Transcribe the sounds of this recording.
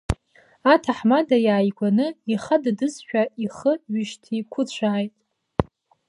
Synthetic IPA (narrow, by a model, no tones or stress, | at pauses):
atʰaħmadajaːjɡʷanɨiχaddɨzħᶣaiχəɥɪʃtʰikʷʰʊt͡ɕʷʰaːjtʼ